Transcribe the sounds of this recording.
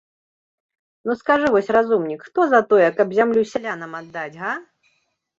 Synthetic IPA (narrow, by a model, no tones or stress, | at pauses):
nuskaʐɨvɔsʲrazumnʲikxt̪ɔzɐt̪ɔjɛkɐbzʲamlʲusʲɛlʲanɐmad̪ːad͡zʲɣa